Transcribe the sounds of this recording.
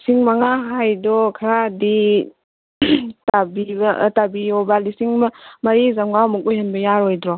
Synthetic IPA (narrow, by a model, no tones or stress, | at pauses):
siŋmɐŋaɦajdɔkʰɐɾadi | tabitabiɔbalisiŋmamɐɾizaŋmawmuk̚ujhanbɐjaɾɔjdɾɔ